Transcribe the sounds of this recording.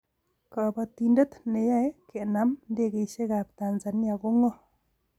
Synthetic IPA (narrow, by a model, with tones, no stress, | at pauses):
ka˨pa˨ti˨nde˦tne˨ja˦ɛ˦ke˨na˦mnde˦˨ke˨ʃe˦ka˨p̚ta˨nza˨n˦a˨ko˦ŋɔ˦